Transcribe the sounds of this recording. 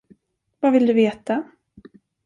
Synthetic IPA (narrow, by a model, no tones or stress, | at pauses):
vavɪld̪ɵveːt̪a